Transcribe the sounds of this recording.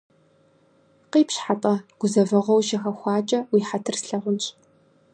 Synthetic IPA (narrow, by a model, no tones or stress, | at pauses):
qiːpɕħapʼɐɡ̥ʷʊzɐvɐʁʷɔwʃɐxɐxʷɑːt͡ʃʼɐwiːħatʰɨrsɬɐʁʷʊnɕʼ